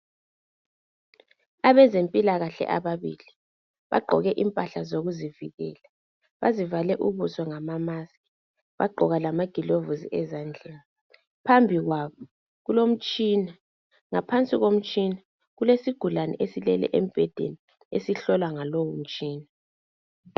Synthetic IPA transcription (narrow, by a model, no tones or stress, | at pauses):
aβɛzempʼilaɣaɬɛ̰ʔa̰βaβili | βa̰ɡ͡ǃʱɔ̰ɣɛʔimpʼaɬazoɣuziviɣɛːla | βazivalɛʔuβusɔŋamamasi̥ | βaɡ͡ǃʱɔɣalamaɡ̥ʱilovuzḭʔɛzand͡ɮʱɛla | pʰambʱiɣwaβɔ | ɣulom̩t͡ʃʼina | ŋapʰant͡sʼiɣom̩t͡ʃʼina | ɣulesiɡ̥ʱulanɛ̰ʔesilɛlɛ̰ʔem̩b̥ʱɛd̥ʱḛni | esiɬɔlwaŋalowum̩t͡ʃʼiːna